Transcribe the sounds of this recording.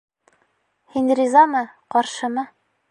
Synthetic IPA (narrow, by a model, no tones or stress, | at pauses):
hinrʲizɑmɤqɒɾʃɤ̆mɤ